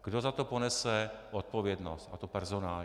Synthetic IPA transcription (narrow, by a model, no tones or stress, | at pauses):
ɡ̥dozat̪oponɛsɛʔot̪̚povjɛdnost̪at̪opɛɾzonaːl